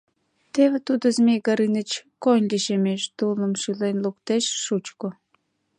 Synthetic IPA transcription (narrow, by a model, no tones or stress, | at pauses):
t̪eβet̪ud̪əzmeɣɑɾinət͡ɕkonʲlʲiʃemeʃt̪uləmʃylenlukt̪eʃːut͡ɕko